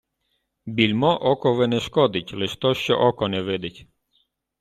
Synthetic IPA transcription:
bʲilʲmɔʔɔkɔʋɛnɛʃkɔd̪ɪtʲlɪʃt̪ɔʃt͡ʃɛ̰ʔɔkɔnɛʋɪd̪ɪtʲ

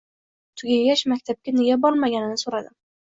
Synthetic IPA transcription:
t̪ʰʊɡʲaɡʲaʃmakʲt̪ʰap̚kʲaneɡʲabɒɾmaɡʲanɪnɪsoɾad̪ɪ

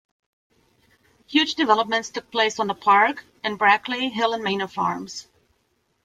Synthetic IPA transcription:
hjʉd͡ʒdɨvɛlˠəp̚mɨ̃ntstʰʊk̚pʰl̥eɪsn̩ðəpʰɑɹk | ɨ̃nbɹækʰliɦɪlˠə̃nmẽɪ̃nəfɑ̰ɹmz̥

